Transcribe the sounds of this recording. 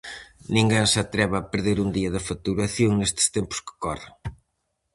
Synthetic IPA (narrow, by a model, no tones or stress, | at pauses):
nĩŋɡeŋsɐt̪ɾɛβɐpeɾðeɾund̪iɐðɐfat̪uɾɐθjoŋnest̪ɪ̥st̪empʊ̥skɪ̥kɔrɪ